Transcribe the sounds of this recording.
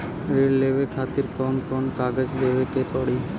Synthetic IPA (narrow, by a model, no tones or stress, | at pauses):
ɾeɽlebekʰat̪iɾkɔnkɔnkaɡed͡ʑd̪ebekep̪ɔɽi